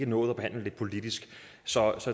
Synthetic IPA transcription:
ɡ̥ənɔ̽ːð̞̩ˠɒb̥e̝hæn̰ləle̝̥pʰo̝lid̥isɡ̥ | sɒ̽sɒ̽

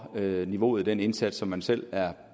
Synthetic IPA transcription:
øniʋo̝̰ːð̩ˠd̥ene̝nsæd̥ɒ̽mːænsel̰æɐ

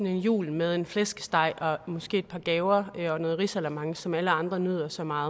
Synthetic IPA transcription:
ne̝njṵːlmeð̞ˠe̝nflesɡ̥əsd̥ɑ̈ɪ̰ʔɒ̽mɒ̽sɡ̥e̝̰ːed̥pʰɑ̈ːɡ̥ɛːʊɐɒ̽nɔ̽ːð̩ˠʁisælæmɑ̈ŋəsɒ̽mæləɑ̈nd̥ʁɐnyð̞̰ˠɐsɒ̽mɑ̈ːð̞̩ˠ

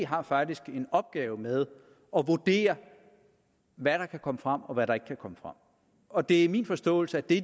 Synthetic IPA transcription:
ɦɑ̈fɑ̈ɡ̥̚d̥isɡ̥e̝nɒ̽b̥̚ɡ̥ɛːʊmeð̞ˠ | ɒ̽ʋuɐd̥e̝̰ːɐ | ʋæɾ̥ɑ̈kʰækʰɒ̽məfʁɑ̈m̰ɒ̽ʋæɾɑ̈e̝ɡ̥kʰækʰɒ̽məfʁɑ̈m̰ | ɒ̽d̥e̝æmiːnfɒ̽sd̥ɔ̰ːl̩səæd̥e̝

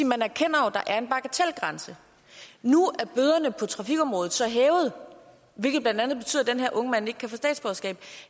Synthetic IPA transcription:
iːmænæɐkʰen̰ɐod̥ɑ̈ʔæɐe̝nb̥ɑ̈ɡ̥æt͡sʰelɡ̥ʁɑnsə | nuʔæɐb̥øð̞ˠɐnəpʰɒ̽t͡sʰʁɑ̈fiɡ̥ɒ̽mʁɔ̽ːð̩ˠsɒ̽ɦɛːʊð̞̩ˠ | ʋe̝lɡ̥əb̥lænd̥ænð̞̩ˠb̥e̝yð̰ˠd̥enɦeɐʔɔ̽ŋəmæn̰e̝ɡ̥ə̥kʰæfɔ̽sd̥ɛ̰ːd̥sb̥ɒsɡ̥ɛ̰ːb̥

